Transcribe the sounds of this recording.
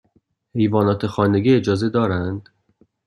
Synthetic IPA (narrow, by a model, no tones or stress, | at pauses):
he̞jvɒːnɒːt̪ʰexɒːneɡiːed͡ʒɒːze̞d̪ɒːɾænd̪̥